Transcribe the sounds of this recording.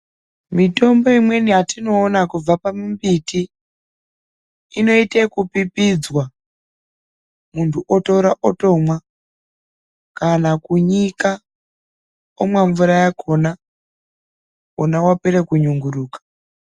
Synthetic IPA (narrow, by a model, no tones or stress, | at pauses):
mito̞mbo̞imwe̞nijatino̞ːnakub͡vapamumbiti | no̞itekupipid͡zwa | muntʰuʔotoɾaʔoto̞mwa | kanakuɲika | omwaɱvuɾajakʰo̞na | onawapeɾekuɲuŋɡuɾuːkḁ